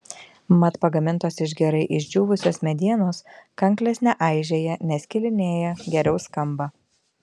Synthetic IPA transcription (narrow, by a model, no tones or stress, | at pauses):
mɐt̪pɐɡɐmʲɪnt̪oːsɪʒ̬ɡʲɛɾɐɪʔɪʒʲd͡ʒʲuːʋʊsʲoːsmʲɛd̪ʲiɛnoːskɐŋklʲesnʲɛʔɑˑɪʒʲeːjɛnʲɛsʲkʲɪlʲɪnʲeːjɛɡʲɛɾʲɛʊskɐmbɑː